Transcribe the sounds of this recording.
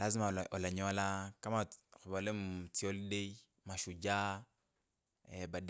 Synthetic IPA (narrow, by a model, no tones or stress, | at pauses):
lazimaɔlaɲɔalakamaxubalemtiɔlidei | maʃud͡ʒa | ebad